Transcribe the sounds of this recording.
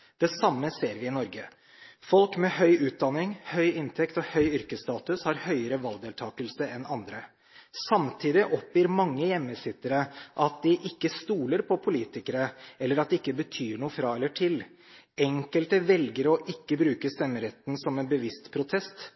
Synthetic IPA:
d̪̥ɛsɑmːəseːɾʋɪɪnɔɾɡə | fɔlkmɛhœʏʉːt̪̚d̪ɑnːɪŋhœʏʔɪnt̪ʰɛkt̪ɔhœʏʏɾkəst̪ɑːt̪ʉshɑɾhœʏəɾəʋɑlɡd̪eːlt̪ʰɑːkəlsəɛnɑnd̪ɾə | sɑmt̪ʰiːd̪ɪʔɔpjiːɾmɑŋːəjɛmːəsɪt̪ːəɾəʔɑt̪̚d̪ɪʔɪkːəst̪uːləɾpʰɔpʰʊliːt̪ɪkəɾəɛlːəɾɑt̪̚d̪ɛɪkːəbət̪ʰyːɳuːəfɾɑɛlːəʈʰɪl | ɛŋkəlt̪əʋɛlɡəɾɔʔɪkːəbɾʉːkəst̪ɛmːəɾɛt̪n̩sɔmɛnbəʋɪst̪pʰɾʊt̪ʰɛst̪

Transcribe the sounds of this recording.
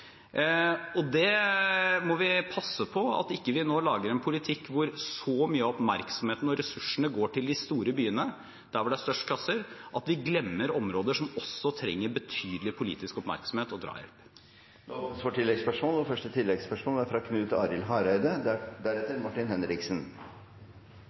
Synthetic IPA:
ɔd̪ɛ | mɔʋɪpʰɑsːəpʰɔɑ̰t̪ɪkːəʋɪnoːlɑːɡəɾɛnpʰʊlɪt̪ʰɪkːʋʊɾsɔmyːəɔpmæɾksɔm̩heːt̪n̩ɔɾɛsʉʂəɳəɡoːʈɪld̪ɪst̪uːɾəbyːənə | d̪̥æɾʋʊɖɛæst̪œʂəklɑsəɾʔɑt̪ʋɪɡlɛmːəɾɔmɾoːd̪əʂɔmɔsːɔt̪ʰɾɛ̰ŋːəɾbət̪ʰyːd̪əlɪpʰʊlḭːt̪ɪskɔpmæ̰ɾksɔmheːt̪ɔd̪ɾɑ̰ːjɛ̰lp̪ | sʋɑːʈʰɪlːɛɡspœʂmoːlɔfœʂʈət̪ʰɪlːɛɡspœʂmoːlɛfɾɑkʰnʉːt̪ɑːɾɪlɦɑɾœʏd̪əd̪d̪æɾɛt̪ːəɾmɑʈːɪnhɛnɾɪksən

